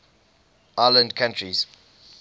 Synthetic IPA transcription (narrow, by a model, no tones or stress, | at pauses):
ʔaːlə̃ndkʰãntɹiz̥